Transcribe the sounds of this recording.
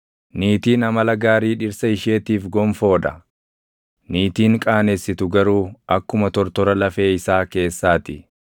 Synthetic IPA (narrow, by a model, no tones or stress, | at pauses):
niːt̪iːnɐmɐlɐɡaːɾiːᶑɪɾsɐɪʃe̞ːt̪iːfɡɔmfo̞ːᶑɐ | niːt̪iːŋkʼaːnesːɪt̪ʊɡɐɾuːɐkːʊmɐt̪ɔɾt̪ɔɾɐlɐfe̞ːɪsaːke̞ːsːaːt̪ɪ